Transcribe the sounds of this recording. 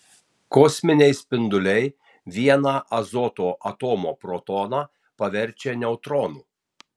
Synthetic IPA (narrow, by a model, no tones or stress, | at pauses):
kɔːsʲmʲɪnʲɛɪsʲpʲɪnd̪ʊlʲɛɪ | ʋʲiɛnɑːʔɐzɔːt̪oːʔɐt̪oːmoːpɾɔt̪ɔːnɑː | pɐʋʲɛɾʲˑt͡ʃʲenʲɛʊt̪ɾɔːnuː